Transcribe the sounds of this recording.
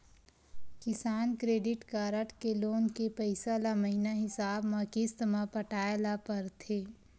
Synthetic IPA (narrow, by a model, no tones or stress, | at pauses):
kɪsaːnkɾeːɖɪʈkaːɾəʈkeloːnkepəɪsalaməɦinaɦɪsaːbmãkɪst̪mãpəʈaːjlapɐɾt̪ʰeː